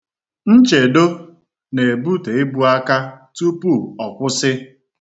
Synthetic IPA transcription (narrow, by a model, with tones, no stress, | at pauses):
n̩˦t͡ʃe˨do˦ | ne˨bu˦te˨ɪ˦bu˦a˦ka˦tu˦pu˦˨ɔ˨kʷʊ˦sɪ˦